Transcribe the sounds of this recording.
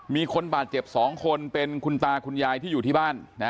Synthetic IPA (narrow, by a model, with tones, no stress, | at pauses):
miː˧kʰo˧nbaː˨˩t̪̚t͡ɕe˨˩p̚sɔː˩˦ŋkʰo˧npe˧nkʰu˧nt̪aː˧kʰu˧njaː˧jt̪ʰiː˥˩juː˨˩t̪ʰiː˥˩baː˥˩nːa˦˥